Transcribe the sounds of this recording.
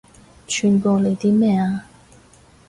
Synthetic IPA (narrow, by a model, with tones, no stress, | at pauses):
t͡ɕʰy˨˧nkɔ˧le˨˩t̪i˥mɛ˥˧˨a˧